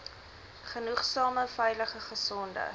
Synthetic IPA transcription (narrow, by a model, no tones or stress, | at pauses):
χənuχsɑːməfɛjləχəχəsɔndə̰